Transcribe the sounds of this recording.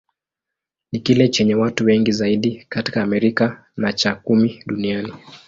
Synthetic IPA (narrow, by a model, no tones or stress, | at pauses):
nikilɛt͡ʃɛɲɛwatuwɛŋɡizaiɗikati̥kaːmɛɾika | nat͡ʃakumiɗuniani